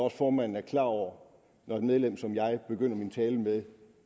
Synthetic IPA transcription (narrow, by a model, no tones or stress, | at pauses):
ɒ̽sfɒːmæn̰n̩æɐkʰlɑ̰̈ɒʊ̰ɐ | nɒe̝d̥með̞ˠlem̰sɒ̽mjɑ̈ɪb̥e̝ɡ̥øn̰ɐmint͡sʰɛːləmeðˠ